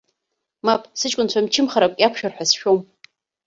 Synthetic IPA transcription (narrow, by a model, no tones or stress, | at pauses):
mapʼsɨt͡ʃʼkʷʼʊnt͡ɕʷʰamt͡ʃʰɪmχaɾakʷʼjakʷʰʃᶣarħʷᶣasʃᶣom